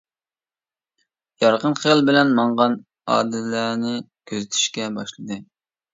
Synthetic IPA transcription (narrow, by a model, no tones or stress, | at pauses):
jɑɾqənχijlˠbɪlɛnmɑɴʁɑn | ɑ̰ːd̪ɪlænɪ | kʲʰøzɪt̪ʰy̥ʃkʲɛbɑʃlˠɨd̪ɨ